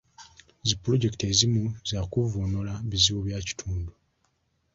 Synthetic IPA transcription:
zipːuɾo̞ɟe̞ktezimuzaːkuvunolaβiziwoβjaːci̥tʰuːndu

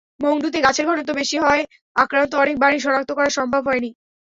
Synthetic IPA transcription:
moŋɖut̪̬eɡat͡ɕʰeɾɡʱɔʈot̪̬obeʃiɦɔe | akɾant̪oɔnek̚baɽiʃɔnak̚t̪okɔɾaɾʃɔmbʱabʱɦɔeni

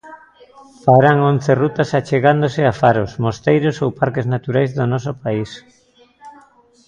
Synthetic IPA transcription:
faɾaŋonθerut̪asat͡ʃeɣand̪osɪafaɾosmost̪ejɾosowpaɾkeznat̪uɾajzðonɔsopais

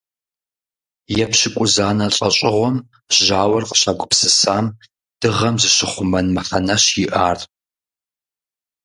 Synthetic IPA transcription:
jɛpɕɪkʷʼʊzaːnɐɬʼɐɕʼɪʁʷɔm | ʒaːwɐrqə̥ɕaɡʷʼʊpsɨsaːm | d̥ɨʁɐmzɨɕɪχʷʊmɐnmɐħɐnɐɕjɪʔaːr

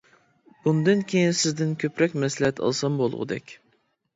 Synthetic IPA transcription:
b̥und̪ɨnkʲʰejinsɪzd̪ɪnkʲʰøpɾɛkʲmɛslɪhɛt̪ʰɑ̰lˠsɑmbolˠʁʊ̰d̪ɛ̰kʲ

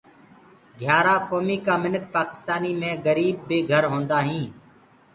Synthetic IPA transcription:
ɡʱjaːɾaːkoːmiːkaːmɪnəkpaːkɪ̥st̪aːniːmẽːɡəɾiːb̚ːeːɡʱəɾɦõːnd̪aːɦĩː

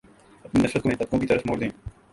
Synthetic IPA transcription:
ɐpninɐʃɾət̪komẽːt̪ɐt̪̚kõkit̪ɐɾəsmoːɾd̪ẽː

